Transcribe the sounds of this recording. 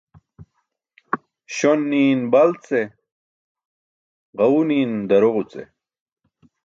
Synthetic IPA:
ɕonːiːnbɐlt͡se | ʁɐuniːnd̪ɐɾoʁut͡sḛ

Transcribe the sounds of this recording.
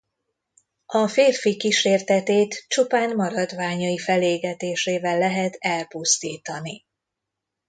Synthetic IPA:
ɒfeːrfikiʃeːrt̪ɛt̪eːt̪t͡ʃupaːnmɒɾɒd̪ʋaːɲɒifɛleːɡɛt̪eːʃeːvɛlːɛɦɛt̪ɛlpust̪iːt̪ɒni

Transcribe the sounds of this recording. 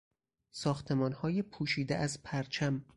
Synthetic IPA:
sɒːxt̪ʰe̞mɒːnhɒːjepʰuːʃiːd̪ḛʔæzpʰæɾt͡ʃʰæm

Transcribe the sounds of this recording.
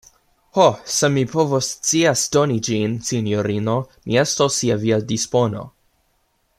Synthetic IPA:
hosemipʰovost͡siasdonid͡ʒinsinjoɾino̞miestosːiaviadispo̞no̞̰

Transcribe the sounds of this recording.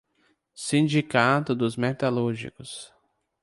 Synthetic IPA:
sĩnd͡ʒikat̪ʊd̪ʊzmɛt̪aluɾʒḭkʊs

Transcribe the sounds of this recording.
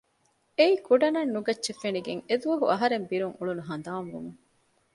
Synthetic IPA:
eikuɖɐnɐnːuɡɐtːʃefeniɡeŋed̪uʋɐɦṵɐɦɐɾembiɾuŋuɭunuɦɐnd̪aːmʋṵnuŋ

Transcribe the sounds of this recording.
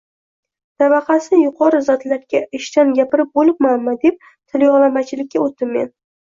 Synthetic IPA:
t̪avɑqʰɑsɪjʊqʰɒɾɪzɒt̪laɾɡʲaɪʃt̪anɡʲapɪɾɪp̚bolɪp̚manmad̪e̞p̚ | t̪ʰɪljɒʁlˠamat͡ʃʰɪlɪkʲːaot̪̚ːɪmːe̞̰n

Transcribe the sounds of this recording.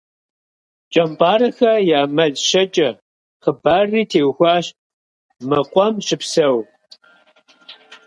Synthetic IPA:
t͡ʃʼɐmpʼɑːrɐxɐjaːmɐɮʃɐt͡ʃʼɐ | qəbaːriːtʰeːwxʷaːɕ | mɨqʷʼɔmʃɪpsɐw

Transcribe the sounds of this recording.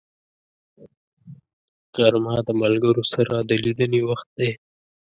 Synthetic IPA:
qaɾmɑd̪əmalɡəɾosaɾad̪əlid̪ənewaxt̪̚d̪e

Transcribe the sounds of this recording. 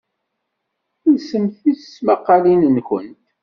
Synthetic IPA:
isəmθissmaqːɑlinənkə̰nt̪

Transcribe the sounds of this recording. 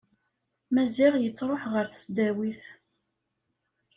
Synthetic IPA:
mæziʁjət͡sːɾˤoħʁəɾθə̥sd̪æwiθ

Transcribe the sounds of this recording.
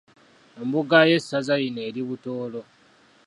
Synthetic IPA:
embuɡaje̞sːazajine̞ːɾiβutoːlo̞

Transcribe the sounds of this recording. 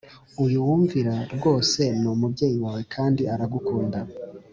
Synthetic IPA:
ujuwuːɱviɾaɾɡo̞ːse̞numubɟe̞ːjiwawe̞kʰaːndiaɾaɡukuːnda

